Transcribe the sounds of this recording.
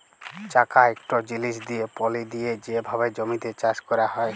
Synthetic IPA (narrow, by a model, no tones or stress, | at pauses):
t͡ɕakaekʈod͡ʑiliʃ̬d̪ijepɔlid̪ijed͡ʑebʱabed͡ʑomit̪et͡ɕaʃkɔɾahɔe